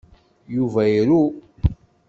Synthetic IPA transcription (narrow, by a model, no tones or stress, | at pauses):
juvæjiɾu